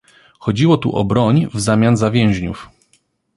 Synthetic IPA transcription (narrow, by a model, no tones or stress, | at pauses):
xɔd͡ʑiwɔt̪ṵʔɔ̰bɾɔɲvzamʲjanzavʲjɛ̃w̃ʑɲṵf